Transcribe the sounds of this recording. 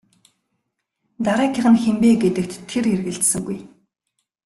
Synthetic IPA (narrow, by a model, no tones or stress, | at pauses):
t̪aɾaːkʲʰɪ̆χə̆nxempeːɡet̪ɘ̆kt̪ʰːerxerɣɘ̆ɬt̪sɘ̆ŋɡuj